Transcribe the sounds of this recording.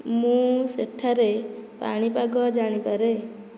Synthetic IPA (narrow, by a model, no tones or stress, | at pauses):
mũseʈʰːaɾepa̰ɽ̃ipaɡɔd͡ʒaɽ̃ipəɾe